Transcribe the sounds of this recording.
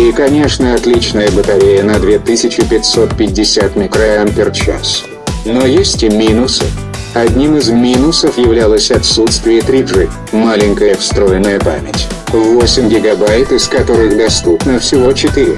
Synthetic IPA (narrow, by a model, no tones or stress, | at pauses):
ikɐnʲe̞ʂnəɐt̪lʲit͡ɕnəjəbət̪ɐɾʲejənɐd̪vʲe̞t̪ɨsʲɪt͡ɕɪpʲɪtʲso̞t̪̚pʲɪd̚ʲːɪsʲat̪mʲɪkɾəɐmpʲɪrt͡ɕa̰s | no̞jesʲtʲɪmʲinʊsə̰f | ɐd̪ʲnʲimɨzmʲinʊsəfjɪvlʲalˠəsʲɐt̪sut̪st̪vʲɪjət̪ɾʲiʐɨ | malʲɪnʲkəjəəfst̪ɾo̞jɪnːəjəpa̰mʲɪtʲvosʲɪmɡʲɪɡɐbajt̪ɪskɐt̪o̞ɾɨɣd̪ɐst̪upnəfsʲɪvo̞t͡ɕɪt̪ɨɾʲɪ̰